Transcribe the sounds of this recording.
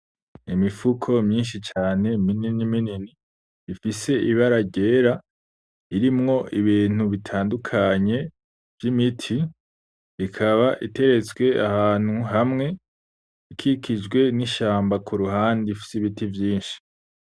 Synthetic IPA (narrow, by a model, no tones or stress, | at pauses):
imifukʰo̞mɲiːnʃit͡ʃaːne̞mininimininiː | fise̞ʔiβaɾaɟe̞ːɾa | iɾimŋo̞ʔiβiːn̥uβitʰaːndukʰaɲe̞ | vjimitʰiː | kʰaβaʔite̞ɾe̞t͡sɡwe̞ahaːn̥huɦamŋe̞ | ikʰikʰid͡ʒɡwe̞niʃaːmbakuɾuɦaːndifi̥siβitivjiːnʃi̥